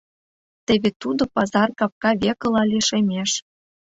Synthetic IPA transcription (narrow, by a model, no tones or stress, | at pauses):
t̪eβʲet̪ud̪ŏpɑzɑrkɑp̚kɑβʲekɤ̆lɑliʃemʲeʃ